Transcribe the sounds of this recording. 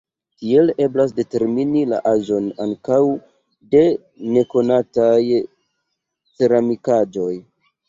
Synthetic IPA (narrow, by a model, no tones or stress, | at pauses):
tie̞le̞blas̬de̞te̞ɾminila̰ʔaʒo̞na̰ŋkaw | de̞ | ne̞ko̞nataj | t͡se̞ɾamikad͡ʒo̞j